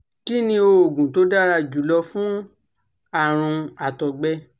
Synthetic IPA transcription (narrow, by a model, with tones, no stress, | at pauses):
ki˦nĩ˧o˧o˨ɡũ˨to˨˦da˦˨ɾa˧˨d͡ʒu˨˦lɔ˧fũ˦ | a˦˨ɾ̃ũ˧a˨tɔ˨ɡ͡bɛ˧˦